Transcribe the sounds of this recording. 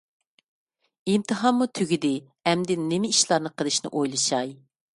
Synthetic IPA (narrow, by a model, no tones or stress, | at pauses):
imt̪ʰɨɦɑmːut̪ʰyɡʲid̪ɪ | ɛmd̪ɪnɪmɪiʃlˠɑɾnɨqʰəlˠɨʃnɨ̰ʔojlˠɨʃɑj